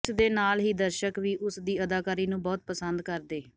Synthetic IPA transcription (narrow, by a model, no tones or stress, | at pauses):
sd̪eːnaːlɦiːd̪əɾʃəkʋiːʔʊsd̪iːəd̪aːkaːɾiːnũːbɔːt̪̚pəsənd̪kəɾd̪eː